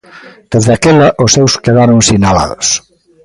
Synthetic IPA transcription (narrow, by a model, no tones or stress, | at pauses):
d̪̥ezðakelɐʔosːewskeðaɾʊŋsinala̰ðo̰s